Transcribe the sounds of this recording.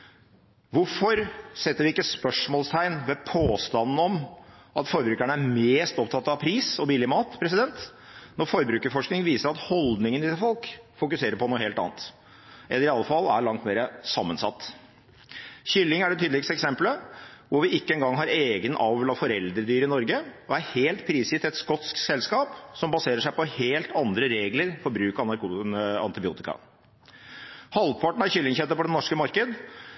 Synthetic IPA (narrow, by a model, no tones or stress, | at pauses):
ʋʊɾfɔɾsɛt̪ːəɾʋɪɪkːəspœʂmɔːlst̪ʰæɪnʋɛpʰoːst̪ɑnn̩ɔmʔɑt̪fɔɾbɾʉːkæɳəæɾmeːst̪ɔpt̪ʰɑt̪ːɑʋpʰɾiːsɔbiːlɪmɑːt̪pʰɾɛs̬ɪd̪ɛnt̪ | nɔɾfɔɾbɾʉːkəɾfɔʂknɪŋʋiːsəɾɑt̪hɔld̪nɪŋənɪfɔlkfʊkʉseːɾəɾpɔnuːheːlɑ̰ːnt̪ | ʔɛlːəɾɪɑlːəfɑlːæɭɑŋt̪meːɾəsɑmːənsɑ̰t̪ː | ɕʏlːɪŋæɖɛt̪ʰyːd̪lɪkst̪əɛksɛmpləʋʊɾʋɪɪkːəɛnɡɑŋːɦɑɾeːɡənʔɑʋʋlɑfɔɾɛld̪ɾəd̪yːɾɪnɔɾɡəɔæɾheːlt̪̚pʰɾiːsɪt̪ɛt̪skɔt̪sksɛlskɑːpsɔmbɑseːɾəʂæɪpɔheːlt̪ɑnd̪ɾəɾeːɡləɾfɔɾbɾʉːkɑɑnɑɾkuɑ̰nt̪ɪbɪṵːt̪ɪkɑ̰ | hɑlpʰɑʈɳ̩ɑçʏlːɪŋçɛt̪ːəpʰɔd̪ɛnːɔʂkəmɑɾkəd̪